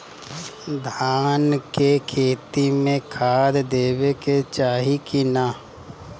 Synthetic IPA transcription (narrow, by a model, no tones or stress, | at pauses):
d̪ʱaːnkekʰeːt̪imẽkʰaːd̪d̪eːweket͡ʃaːɦikinaː